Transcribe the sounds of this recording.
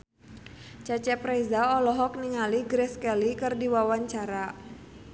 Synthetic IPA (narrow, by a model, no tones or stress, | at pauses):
t͡ʃat͡ʃɛpɾɛjzaɔlɔɦɔk̚niŋaliɡɾɛskɛlikɨrdiwawaɲt͡ʃaɾa